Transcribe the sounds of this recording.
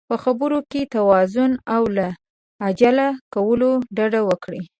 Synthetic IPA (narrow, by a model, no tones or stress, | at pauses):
pəxabəɾoket̪awɑzʊnawlaː | d͡ʒalakawəloɖaɖawəkɽi